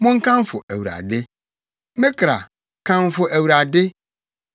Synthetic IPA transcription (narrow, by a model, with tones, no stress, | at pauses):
mʊ̃˦ŋ̩˦kã˦m˦fʊ˨ʔæ˨wu˨ɾa̰˨dɪ˦ | mɪ̃˦kʰɾa̰˨ | kʰã˦m˦fʊ˨ʔæ˨wu˨ɾa˨dɪ˦